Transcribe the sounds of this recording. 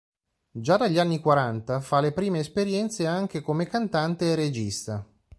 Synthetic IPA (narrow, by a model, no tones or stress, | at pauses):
d͡ʒad̪aʎːanːikwaɾant̪afalepɾiːmeːspeɾjɛnt̪seaŋk̟ekomekant̪ant̪eːred͡ʒist̪a